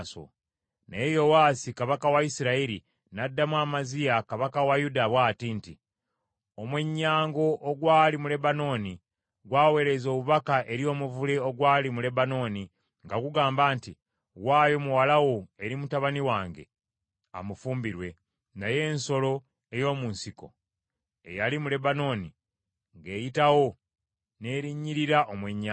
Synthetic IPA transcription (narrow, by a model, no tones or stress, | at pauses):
so̰ | nejo̞waːsikaβakawaisiɾaiɾḭ | nadːamwaːmazijakaβakawajudaβwaːtinti | omwe̞ɲːaːŋɡo̞ʔːɡwaːlimule̞bano̞ːni | ɡwaːwe̞ɾe̞zo̞ːβuβakaʔe̞ɾio̞ːmuvuleo̞ɡwaːlimule̞bano̞ːni | ŋɡaɡuɡaːmbaːnti | waːjo̞muwalawo̞e̞ɾimutaβaniwaːŋɡe̞̰ | a̰mufuːmbiɾwe | naje̞ːnso̞lo̞ | e̞jo̞ːmuːnsiko̞̰ | e̞̰jalimule̞bano̞ːni | ŋɡe̞ːjitawo̞ | ne̞ːɾiɲːiɾiɾaʔomweɲːa